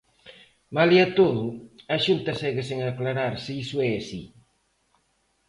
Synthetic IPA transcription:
maliat̪oðʊaʃunt̪ɐsɛɣɪseŋaklaɾaɾsiisʊɛasi

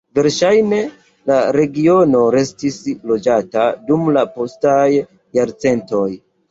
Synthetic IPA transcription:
ve̞ɾʃajne̞ | laɾe̞ɡio̞no̞ɾe̞stislo̞d͡ʒatadumlapo̞stajː | aɾt͡se̞nto̞j

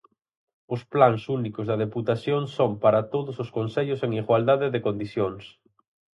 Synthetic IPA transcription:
ʊsplaŋsunikʊzðɐaðeput̪aθjoŋsompaɾat̪oðʊsʊskonseʎʊseŋiɣwald̪aðeðekõnd̪iθjoŋs

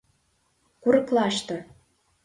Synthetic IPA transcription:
kuɾɤ̆klɑʃt̪ɤ̆

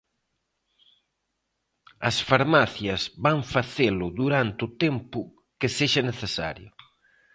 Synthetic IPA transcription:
ɐsfaɾmaθjɐzβaɱfaθelʊðuɾant̪ut̪empʊ | keseʒɐneθesa̰ɾjʊ

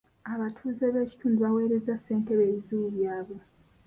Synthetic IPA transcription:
aβatʰuːze̞βe̞ːci̥tʰuːnduβawe̞ːɾe̞zasːe̞ːnte̞βe̞ːβizuβjaːβo̞

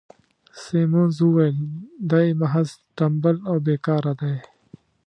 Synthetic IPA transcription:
seːmoːnzuːweld̪ɐimɐɦɐzʈɐmbɐloːbeːkaːɾɐd̪ɐj

